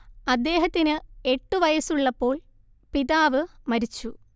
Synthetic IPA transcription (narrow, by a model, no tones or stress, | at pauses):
ɐd̪ːe̞ːɦɐt̪ːinɨe̞ʈːuʋɐjɐsuɭːɐpːo̞ːɭ | piðaːʋɨmɐɾit͡ɕːu